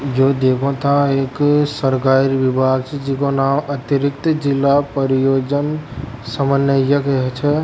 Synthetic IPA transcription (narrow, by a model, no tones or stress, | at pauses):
jod̪ekʰɔ̃t̪ʰãeksəɾkaɾibibʱaɡ̚t͡ʃʰɛd͡ʒikonamət̪əɾik̚t̪d͡ʒilːapəɾijod͡ʒənsəmənjəjəkɦɛt͡ʃʰɛ